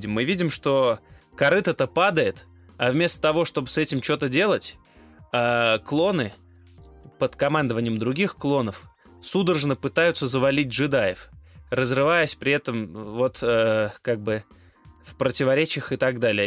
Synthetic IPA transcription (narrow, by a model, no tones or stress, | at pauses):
dʲɪmːɨvʲidʲɪmʂt̪o̞kɐɾɨt̪ət̪əpad̪əjɪt̪ | avmʲe̞st̪ə̥t̪ɐvo̞ʂt̪o̞bɨsɛtʲɪmt͡ɕo̞t̪ədʲe̞lˠətʲ | aklˠo̞nɨ | pət̪kɐmand̪əvənʲɪjəmd̪ɾʊɡʲixklˠo̞nəf | sud̪ərʐnəpɨt̪ajʊt̪səzəvɐlʲit̚ʲʐɨd̪ajɪfrəzrɨvajɪsʲpɾʲɪɛt̪əmvo̞t̪əkaɡ̚bɨ | fpɾətʲɪvɐɾʲet͡ɕɪjəxɨt̪aɡd̪alʲɪjə